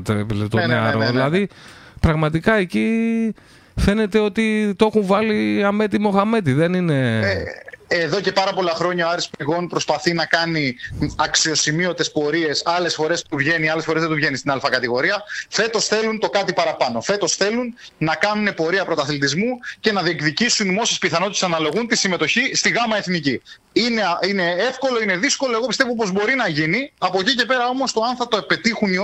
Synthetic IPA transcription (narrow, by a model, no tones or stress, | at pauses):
t̪epilet̪oneɐɾoðilɐðipɾɐɣmɐt̪ikɐeci | fe̞ne̞t̪e̞o̞t̪it̪oexuɱvɐliɐme̞t̪imo̞xɐme̞t̪iðe̞nine̞ | eðo̞ce̞pɐɾɐpo̞lɐxɾo̞ɲɐoɐɾispiɣo̞npɾo̞spɐθinɐkɐniɐksio̞simio̞t̪e̞spo̞ɾie̞sɐle̞sfo̞ɾe̞st̪uvʝe̞niɐlesfoɾe̞zðet̪uvʝe̞nist̪inɐlfɐkɐt̪iɣo̞ɾiɐfe̞t̪o̞sθe̞lunt̪o̞kɐt̪ipɐɾɐpɐno̞fe̞t̪o̞sθe̞lunː | ɐkɐnune̞po̞ɾiɐpɾo̞t̪ɐθlit̪izmuce̞nɐðiekðicisunmo̞sespiθɐnot̪it̪esɐnɐlo̞ɣunt̪isime̞t̪o̞çist̪iɣɐmɐe̞θnici | ineine̞e̞fko̞lo̞ine̞ðisko̞lo̞e̞ɣo̞pist̪evopo̞zbo̞ɾinɐʝiniɐpocice̞pe̞ɾɐo̞mo̞st̪o̞ɐnθɾɐt̪oepe̞t̪ixuni